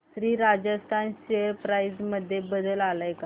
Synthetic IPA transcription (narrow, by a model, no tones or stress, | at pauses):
t̪ɾiːɾad͡ʑəst̪ʰanɕeəɾpɾajd͡zməd̪ʱːjebəd̪əlalajka